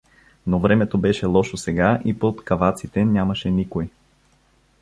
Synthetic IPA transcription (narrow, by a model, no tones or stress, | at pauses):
novɾɛmɛt̪obɛʃɛlˠɔʃosɛɡaʔipot̪kɐvat̪sit̪ɛnʲjamɐʃɛnikoj